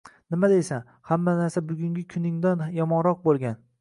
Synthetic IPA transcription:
nɪmad̪ejsa | hamːanaɾsabʊɡʲʊŋɡʲɪkʲʰʊnɪŋd̪anjɒmɒnɾɒq̚bolˠɡʲan

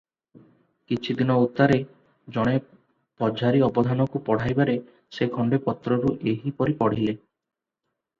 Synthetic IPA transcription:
kit͡ʃʰid̪inɔut̪ːaɾe | d͡ʒɔɽ̃e | pɔd͡ʒʱaɾiɔbɔd̪ʱanɔkupɔɽ̤ajbaɾe | sekʰɔɳɖepɔt̪ɾɔɾuʔeɦipɔɾipɔɽ̤ile

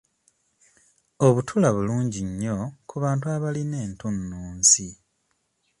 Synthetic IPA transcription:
oβutʰulaβuluːɲɟiɲːo̞kuβaːntuaβaline̞ːntunːuːnsi

